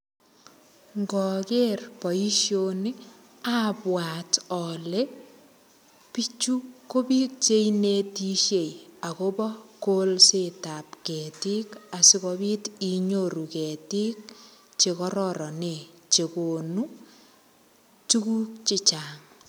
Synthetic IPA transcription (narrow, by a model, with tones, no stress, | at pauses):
ŋɡɔ˨kerpɔ˨i˦ʃjoni˦ | a˦pwa˨tɔ˨le˦ | pi˦t͡ʃu˦ko˦bi˦k̚t͡ʃe˦ine˦ti˦ʃje˨ja˨ko˦bɔ˦kolsetapkɛ˨ti˦ka˨si˦kɔbi˦ti˨ɲo˨ɾu˨kɛ˨ti˦k̚ | t͡ʃe˨kɔ˦ɾɔɾɔ˨ne˨t͡ʃe˨ko˨nu˦ | tu˦kuː˦k̚t͡ʃɪ˦t͡ʃaː˨ŋ